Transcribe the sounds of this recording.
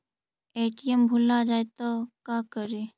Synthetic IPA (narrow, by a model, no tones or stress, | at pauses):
eːʈiəmbʱulad͡ʒaːet̪okakəɾe